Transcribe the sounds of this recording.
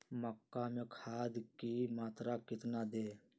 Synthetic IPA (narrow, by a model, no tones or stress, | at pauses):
məkːaːmẽkʰaːd̪kiːmaːt̪ɾaːkɪt̪naːd̪eː